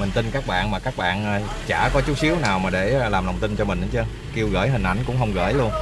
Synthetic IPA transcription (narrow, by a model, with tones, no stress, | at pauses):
mï˨˩ŋ̟t̪i˧nkaː˦˥k̚ɓa̰ː˧˨nmaː˨˩kaː˦˥k̚ɓa̰ː˧˨nʔ | t͡ɕa̰ː˧˩kɔ˨˦t͡ɕu˦˥t̚si˨˦əwnaː˨˩wmaː˨˩ɗe˧˩laː˨˩mlə˨˩wŋ͡mt̪i˧nt͡ɕɔ˧mï˨˩ŋ̟a˨˦t͡ɕɨ˧ə˧ | ki˧əwɣə̰ː˧˩jɦï˨˩ŋ̟ʔa̰˧˩jŋ̟kʊ̰˧˥ŋ͡mɦə˧wŋ͡mɣə̰ː˧˩jlu˧ən